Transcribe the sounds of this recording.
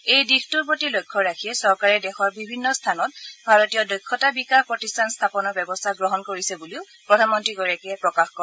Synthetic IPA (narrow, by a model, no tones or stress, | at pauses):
ejdixtuɹpotilojkʰːɔɹakʰijɛsɔɹkaɹɛdɛxɔɹbibʱinːɔstʰanɔt̚bʱaɹotijɔdɔjkʰːɔtabikaxpɹɔtistʰanstʰapɔnɔɹbɛbɔstʰaɡɹɔɦɔnkoɹisɛbuliʊ | pɹɔdʱanmɔntɹiɡɔɹakɛpɹɔkaxkɔ